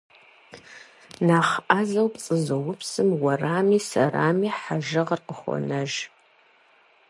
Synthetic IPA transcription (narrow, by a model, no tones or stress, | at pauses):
naːχʔaːzɐwpt͡sʼɨzɐwʊpsɨmwɐraːmiːsɐraːmiːħaʒɐʁərqəχʷɔ̰nɐʒ